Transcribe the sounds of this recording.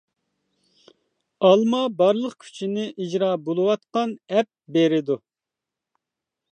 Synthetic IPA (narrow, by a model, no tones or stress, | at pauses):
ɑlˠmɑbɑɾlˠəqkʲʰy̥t͡ʃʰinɪʔid͡ʒɾɑːbolˠuwɑt̪̚qɑnɛp̚beɾɪd̪u